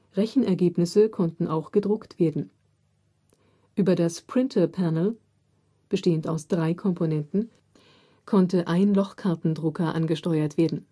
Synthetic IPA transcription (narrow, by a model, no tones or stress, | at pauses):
ʁɛçn̩ɛɐɡeːpnɪsəkʰɔntn̩ʔaʊxɡ̥ədʁʊktv̥eːɐdn̩ | ʔyːbɐdaspʁ̥ɪntʰɐpʰanəl̩ | b̥əʃteːəntaʊsd̥ʁaɪkʰɔmponɛntn̩ | kʰɔntəʔaɪnlɔχkʰaɐtn̩dʁʊkɐʔa̰nɡəʃtɔʏɐtv̥eːɐdn̩